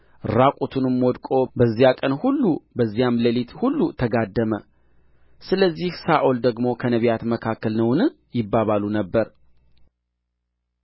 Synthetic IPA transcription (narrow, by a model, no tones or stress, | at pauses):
ɨɾakʼut̪ʰunɨmwɔd̪kʼo̞bəzːijakʼənhulːubəzːijamləlit̪hulːut̪ʰəɡad̪ːəmə̰ | sɨləzːihsaʔold̪əɡmo̞kʰənəβjat̪məkʰakːəlnəwnɨ | jɪbːaβalunəbːəɾ